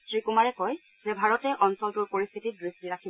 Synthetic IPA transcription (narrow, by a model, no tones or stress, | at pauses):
tɹikumaɹɛkɔj | zɛbʱaɹɔtɛʔɔnsɔltuɹpoɹist̪ʰitidɹistiɹakʰib